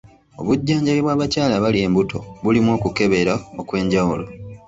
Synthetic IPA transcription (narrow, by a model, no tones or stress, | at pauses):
o̞̰βuɟːaːɲɟaliβwaːβacaːlaβalie̞ːmbutʰo̞̰βulimwo̞ːkuke̞βe̞ɾao̞kwe̞ːɲɟawulo̞